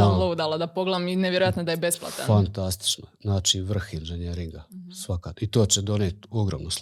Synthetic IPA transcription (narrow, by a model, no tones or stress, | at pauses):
alˠoud̪alˠad̪apo̞ɡlˠaʋimineʋjeɾoat̪nod̪ajebe̞splˠa̰t̪a̰nfant̪ast̪i̥t͡ʃnoznaːt͡ʃiʋr̩xinʒeɲeɾiŋɡasʋakait̪o̞ːt͡ɕed̪o̞net̪oɡɾoːmnus